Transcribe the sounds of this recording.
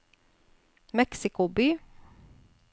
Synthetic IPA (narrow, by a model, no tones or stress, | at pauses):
mɛksɪkʊbyː